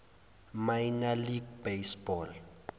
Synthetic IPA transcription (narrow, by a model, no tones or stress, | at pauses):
majnaliɡbesbɔl